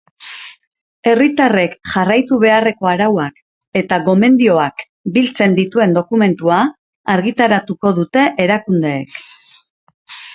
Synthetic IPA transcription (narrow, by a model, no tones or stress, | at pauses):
e̞rit̪are̞kʝarajt̪uβ̞e̞are̞ko̞aɾawak | e̞t̪aɣo̞me̞nd̪io̞ak | bilt͡se̞nd̪it̪ue̞nd̪o̞kume̞nt̪uaː | ɾɣit̪aɾat̪uko̞ðut̪e̞ʔeɾakund̪e̞̰ːk